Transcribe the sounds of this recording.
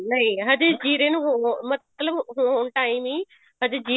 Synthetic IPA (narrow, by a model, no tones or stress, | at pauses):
nɐɦĩɦɐd̪ɪd͡ʑiːɾẽnɦmɐt̪ləbɦuːnʈaːĩmĩ | ɦɐd̪ɪd͡ʑiː